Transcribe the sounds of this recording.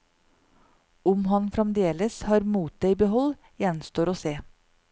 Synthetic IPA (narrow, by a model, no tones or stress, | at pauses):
ʊmhɑnfɾɛmd̪eːləshɑːɾmuːt̪̚d̪eɪbəhɔl | jɛnst̪oːɾoːseː